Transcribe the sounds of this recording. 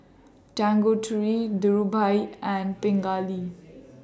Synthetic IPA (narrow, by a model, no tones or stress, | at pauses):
ʈãŋɡoʈʰɹid̪uɹubʱajɛ̃npɪ̃ŋɡali